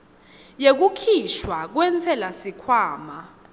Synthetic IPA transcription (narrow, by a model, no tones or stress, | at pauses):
jek̬ukʰiʃwak̬wɛnt͡sʰɛlasikʰwaːma